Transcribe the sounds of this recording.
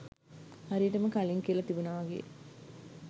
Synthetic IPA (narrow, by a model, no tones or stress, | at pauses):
haɾiəʈəməkaliŋkiəlɐt̪ibunaʋaɡḛː